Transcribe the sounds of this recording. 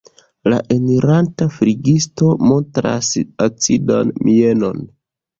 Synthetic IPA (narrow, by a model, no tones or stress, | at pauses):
laʔemiɾantafɾiɡisto̞mo̞ntɾa̰sat͡sida̰nmie̞no̞n